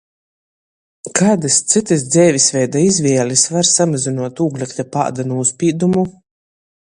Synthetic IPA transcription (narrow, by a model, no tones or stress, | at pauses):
kaːd̪ɨst̪sɨt̪ɨs̬d̪zʲɛːvʲisvʲɛjd̪aizvʲiɛlʲisvaɾsamazinuɔt̪uːɡlʲakt̪ʲapa̰ːd̪anuuspʲiːd̪umu